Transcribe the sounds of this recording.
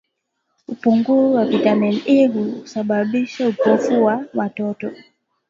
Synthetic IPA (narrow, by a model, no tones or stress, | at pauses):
upuŋɡuziwavitamɛnɛɦuːsaɓaɓiʃaupɔfuwawatɔtɔ